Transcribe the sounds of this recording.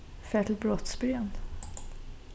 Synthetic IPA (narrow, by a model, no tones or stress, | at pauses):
fæːʈʰɪl̚bɾɔt̪sbɾønd̪